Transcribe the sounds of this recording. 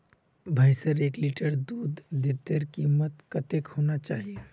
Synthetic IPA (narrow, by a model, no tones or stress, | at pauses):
bʱajsəɾeːkliʈəɾd̪uːd̪ːɪt̪ːəɾkiːmət̪kɐt̪ekhoːnat͡ʃaːɦie